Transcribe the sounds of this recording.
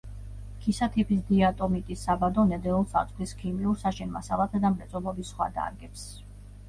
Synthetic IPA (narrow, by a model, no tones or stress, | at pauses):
kʰisat̪ʰipʰisd̪iat̪ʼɔmit̪ʼisabad̪ɔnɛd̪ɛulˠsa̰t̪sʼχʰliskʰimiuɾsaʃɛnma̰salˠat̪ʰad̪amɾɛt̪sʼɔlˠɔbisːχwa̰d̪a̰ɾɡɛps